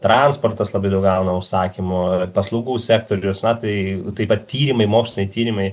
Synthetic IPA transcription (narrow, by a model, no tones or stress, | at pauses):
t̪ɾɑnspoːrt̪ɐslˠɐbɐɪd̪ɐʊk̚ɡɐʊnɐʊʃsɑːkʲimʊpɐslˠɐʊɡuːsʲæːk̚t̪oːɾʲʊsnɐt̪ɐɪt̪ɐɪpɐt̪̚t̪ʲiːɾʲɪmɐɪmoːksʲɪnʲɛɪt̪ʲiːɾʲɪmɐɪ